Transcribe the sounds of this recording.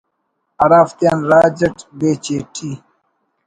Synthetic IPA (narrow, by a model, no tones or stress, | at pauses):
ɐɾaːft̪jaːnɾaːd͡ʑɐʈbeːt͡ɕeːʈʰi